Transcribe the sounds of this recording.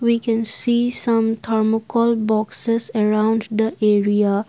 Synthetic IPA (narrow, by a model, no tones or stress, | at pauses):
ʋikɛ̃nsiːsʌ̃mt̪ʰəɾmokɔlbɔksesəɾãʊ̃nɖd̪əʔeɾia